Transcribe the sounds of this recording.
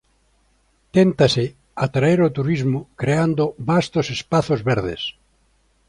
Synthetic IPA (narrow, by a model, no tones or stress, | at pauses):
t̪ent̪asɪ | at̪ɾaeɾot̪uɾizmʊkɾeand̪oβast̪osespaθozβɛɾðḛs